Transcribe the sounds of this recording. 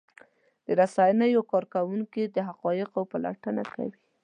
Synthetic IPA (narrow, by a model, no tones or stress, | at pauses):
d̪̥əɾasɑjənajwawkɑɾkawuŋkid̪əɦaqɑjɪqawpala̰ʈənaka̰wi